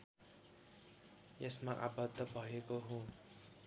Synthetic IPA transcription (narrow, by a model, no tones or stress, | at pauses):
jesmaʔabʌd̪ʱʌbʱʌekoɦũ